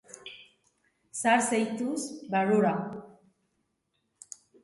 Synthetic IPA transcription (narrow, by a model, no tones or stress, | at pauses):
saɾsejt̪usbaɾuɾa